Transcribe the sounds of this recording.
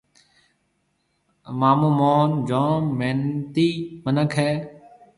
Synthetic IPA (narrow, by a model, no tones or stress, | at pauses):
maːmũːmoːnd͡ʒoːnmeːnt̪iːmənəkʰɦɛː